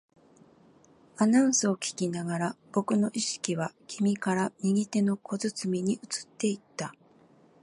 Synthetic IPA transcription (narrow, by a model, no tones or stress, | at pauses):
anãɰ̃sɨo̞kʲi̥kʲinaɡaɾab̥o̞kɯ̟no̞ʔiɕi̥kʲiβakʲʰimʲikaɾamʲiɡʲit̪e̞no̞ko̞zɨt͡sɨmʲiɲ̟iʔɯ̟t͡sɨ̥t̪ːe̞it̪ːa